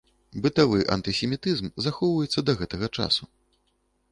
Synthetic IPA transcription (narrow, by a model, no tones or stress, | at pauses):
bɨt̪avɨʔɐ̰nt̪ɨsʲɛmʲit̪ɨzmzaxɔwvɐjɛt̪sːɐd̪ɐɣɛt̪ɐɣɐt͡ʂa̰su